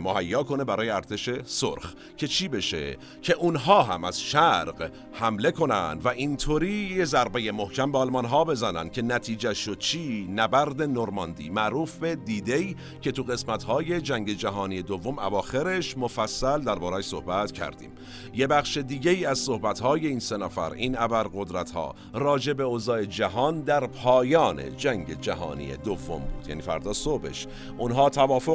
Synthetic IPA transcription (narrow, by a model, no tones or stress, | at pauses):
mohæjːɒːkʰo̞ne̞bæɾɒːjeæɾt̪ʰe̞ʃe̞so̰ɾx | cʰe̞t͡ʃʰiːbeʃḛ | cʰe̞ʔunɦɒːɦæ̰mæz̥ʃæɾɢ | hæmle̞kʰo̞næ̰nd̪væʔint̪ʰoːɾiːjezæɾbeje̞mohcʰæmbeːlmɒnɦɒːbe̞zænæ̰nd̪̥̚cʲʰe̞næt̪ʰiːd͡ʒæʃod̪̥̚t͡ʃʰiːnæbæɾd̪e̞noɾmɒnd̪ḭːmæʔɾuːfbe̞d̪iːd̪e̞j | cʰe̞t̪ʰuɣe̞smæt̪hɒːje̞d͡ʒæŋɟe̞d͡ʒæɦɒːnije̞d̪ovːo̞mævɒːxe̞ɾe̞ʃmofæsːæld̪æɾbɒːɾæːʃso̞̰hbæt̪cʰæ̰ɾd̪ḭːm | je̞bæχʃe̞d̪iːɟeiːæzso̞hbæt̪hɒːje̞iːnse̞næfæ̰ɾiːnæbæɾɣo̞d̪ɾæt̪hɒ̰ː | ɾɒːd͡ʒe̞be̞oːzɒːe̞d͡ʒæɦɒːnd̪æɾpʰɒːjɒːne̞̰d͡ʒæŋɟe̞d͡ʒæɦɒ̰ːnḭːḛd̪ovːombṵːd̪̥jæ̰ːniːfæ̰ɾd̪ɒːsobe̞̰ʃ | ʔunɦɒːt̪ʰævɒːfo